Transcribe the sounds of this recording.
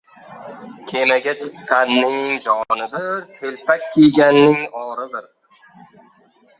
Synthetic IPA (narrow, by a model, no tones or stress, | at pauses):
kʲʰemaɡʲat͡ʃʰɨqʰɑnːɪŋd͡ʒɒnɪd̪ɪɾt̪ʰelpʰakʲʰːijɡʲanːɪŋɒɾɪb̪ɪɾ